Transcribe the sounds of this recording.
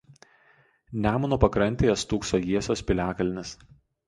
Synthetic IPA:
nʲæːmʊnuːpɐkɾɐnʲt̪ʲeːjɛst̪uːksoːjiɛsʲoːspʲɪlʲæːkɐlʲnʲɪs

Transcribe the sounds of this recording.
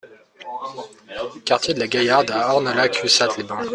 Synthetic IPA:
kaʁt̪jed̪əlaɡʲajaʁd̪aɔʁnəlakʰysat̪libɑ̃

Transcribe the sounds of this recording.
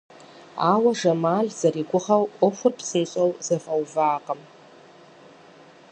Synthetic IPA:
aːwɐʒɐmaːɮz̥ɐriːɡʷʊʁɐwʔʷɔxʷʊrpsɨnɕʼɐwzɐfɐwvaːqɐm

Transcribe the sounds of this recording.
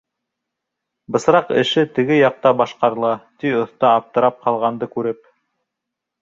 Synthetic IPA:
bɤ̆sɾɑqɘ̰̆ʃɘt̪ɘ̆ɡɘjɑq̚t̪ɑbɑʃqɑɾɤ̆lˠɑt̪iŏθt̪ɑːp̚t̪ɤ̆ɾɑp̚qɑlˠʁɑnd̪ɤkʉɾɘp̚

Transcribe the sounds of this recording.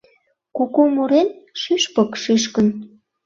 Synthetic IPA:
kokomuɾenʃyʃpəkʃyʃkən

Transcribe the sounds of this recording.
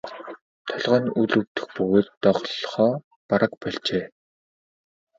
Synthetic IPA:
t̪ʰɔɮʁăːnuɮɵwt̪ɘ̆xpɵɣoːt̪ːɔʁɮχɔː | paɾə̆k̚pɔɮt͡ɕeː

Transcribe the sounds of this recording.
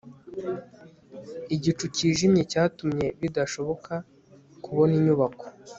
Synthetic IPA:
iɟit͡ʃuciːʒimɲecaːtumɲe̞βidaʃo̞βo̞ka | kuβo̞niɲuβako̞̥

